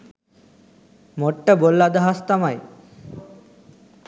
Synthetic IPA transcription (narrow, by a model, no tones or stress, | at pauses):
moʈːəbolːad̪əɦast̪amaj